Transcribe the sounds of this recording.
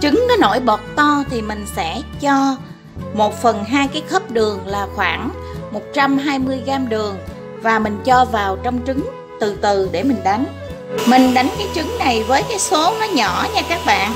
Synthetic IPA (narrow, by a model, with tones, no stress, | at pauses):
t͡ɕɨ˨˦ŋnɔ˨˦no̰˧˩jɓɔ˨˩t̚t̪ɔ˧t̪ʰi˨˩mï˨˩ŋ̟sɛ̰˧˥t͡ɕɔ˧ | mo˨˩t̚fə˨˩nɦaː˧jkaː˨˦jxə˦˥p̚ɗɨ˨˩əŋlaː˨˩xwaː˧˩ŋ | mo˨˩t̚t͡ɕa˧mɦaː˧jmɨ˧əjɣaː˧mɗɨ˨˩əŋ | vaː˨˩mï˨˩ŋ̟t͡ɕɔ˧vaː˨˩wt͡ɕɔ˧wŋ͡mt͡ɕɨ˨˦ŋ | t̪ɨ˨˩t̪ɨ˨˩ɗe˧˩mï˨˩ŋ̟ɗa˨˦jŋ̟ | mï˨˩ŋ̟ɗa˨˦jŋkaː˨˦jt͡ɕɨ˨˦ŋna˨˩jvəː˨˦jkaː˨˦jso˨˦nɔ˨˦ɲɔ˧˩˨ɲaː˧kaː˦˥k̚ɓa̰ː˧˨nʔ